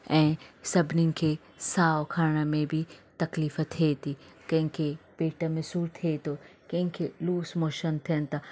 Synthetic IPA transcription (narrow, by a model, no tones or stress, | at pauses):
ɛ̃ːsɐbʱnin̆kʰe | saːʋkʰaːɾɽ̃əmẽbʱit̪ɐkliːfət̪ʰet̪ʰiː | kɐ̃ɦɪ̃kʰepeːʈəmẽsuːɾt̪ʰiet̪ʰokɐ̃ɦɪ̃kʰeluːsmoːʃənt̪ʰijənt̪a